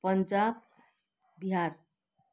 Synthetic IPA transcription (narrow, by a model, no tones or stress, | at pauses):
pʌnd͡ʒab̚ | biɦaɾ